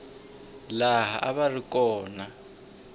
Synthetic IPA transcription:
laɦa̰ʔaβarikʼɔːna

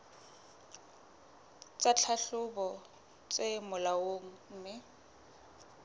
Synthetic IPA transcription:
t͡sʼat͡ɬʰaɬʊbɔ | t͡sʼemʊlawoŋ̩ːmɪ

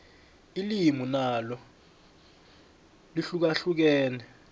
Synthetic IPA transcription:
ilimunalɔ | liɬuk̬aɬuk̬ɛːnɛ

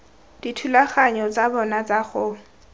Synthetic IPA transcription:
d̥itʰulaχaɲɔt͡sʼabɔnat͡saχʊ

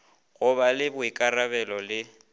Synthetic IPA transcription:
ɣʊbalɪbʊikʼarabɛlɔlɪ

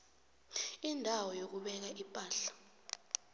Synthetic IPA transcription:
indʱawɔjok̬uɓɛk̬aʔipʼaːɬḁ

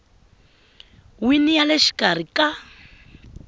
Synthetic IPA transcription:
winijaleʃi̥kar̤ikʼa

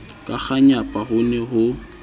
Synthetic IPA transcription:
kʼak͡xaɲapʼahʊnɛɦʊ

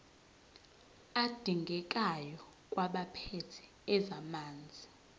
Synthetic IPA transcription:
ad̥ʱiŋɡʱɛkʼajɔ | kʼwaɓapʰetʰɛ̥ | ɛzamaːnd͡zʱi

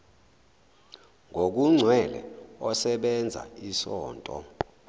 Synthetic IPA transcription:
ŋʱok̬uŋ͡ǀʱwɛlɛ̰ɔsɛɓɛnd͡zʱa̰isɔ̰ːntʼɔ̰

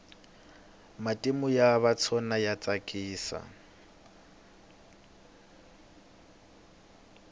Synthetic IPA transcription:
matʼimʊjaβat͡sʰɔnajat͡sʼakʼiːsa̰

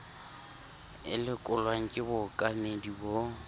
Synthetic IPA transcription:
ɪ̰lɪkʼʊlwaŋ̩kʼɪbʊkʼamedibo

